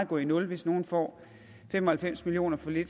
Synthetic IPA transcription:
ɡ̥ɔ̰ːinɔ̽lʋe̝sno̝ːn̩fɒ̰ː | fem̰ɒhælfem̰smilio̝̰ːnɐfɒ̽le̝d̥

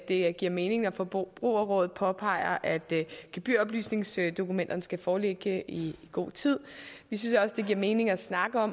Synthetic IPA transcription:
d̥e̝ɡ̥iɐ̰me̝ːne̝ŋnɒfɒb̥ʁṵːɐʁɔ̽ːð̩ˠpʰɒ̽pʰɑ̈ɪɐʔæd̥ɡ̥eb̥y̰ɐɒ̽b̥ly̰ːsne̝ŋsd̥o̝kumen̰d̥ɐnəsɡ̥æfɒːleɡ̥əiiɡ̥o̝̰ːt͡sʰið̰ˠʋisynsɒ̽səd̥e̝ɡ̥iɐme̝ːne̝ŋæsnɑ̈ɡ̥əɒ̽m

